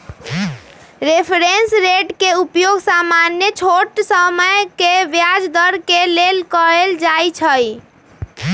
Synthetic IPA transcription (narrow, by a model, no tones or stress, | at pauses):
ɾepʰɾensɾeʈkeupjoɡsamanjət͡ʃʰoʈsəməjkeʋjad͡ʒd̪əɾkelelkəɾeld͡ʒajt͡ʃʰəj